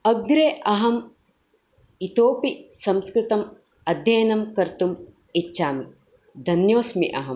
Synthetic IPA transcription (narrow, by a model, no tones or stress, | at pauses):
ɐɡɾeːʔɐɦɐm | it̪oːpisɐmskɾɪt̪ɐm | ɐd̪ʱjɐːnɐmkɐɾt̪um | it͡ʃːʃaːmi | d̪ʱɐnjoːsmḭʔɐɦɐm